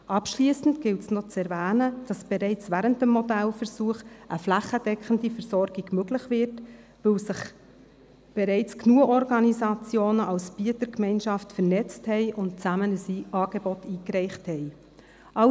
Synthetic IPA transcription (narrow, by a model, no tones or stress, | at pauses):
ʔɑpʃliːsn̩dɡ̥ɪltsnot͡sɛɾvæːnəd̥ɑsb̥ɛɾɛɪt͡svæɾəntəmːɔdælfəɾsuːəχəflæχəd̥ɛkχəndifəɾsɔɾɡ̥iɡ̥møɡlɪχvɪɾt | ʋɵwsɪχ | b̥eɾɛɪt͡sknuəɔɾɡɑnizɑt͡sjoːnəʔɑlsb̥iətəɾkmɛɪnʃɑftfəɾnɛt͡sthɛɪʔʊnt̚t͡sæmənəsiɑːɡ̥ebɔtiːkɾɛɪχthɛɪ | ʔɑ